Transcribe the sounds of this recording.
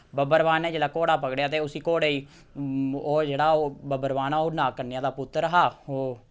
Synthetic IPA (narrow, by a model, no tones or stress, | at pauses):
bəbəɾʋaːneːd͡ʒeːɽaːkoːɽaːpəɡɽejaːt̪̬eːʊsiːkoːɽeːiː | oːd͡ʒeːɽaːoːbəbəɾʋaːnãːoːnaːkəɾnejãːd̪aːpʊt̪ːəɾəɦaːoː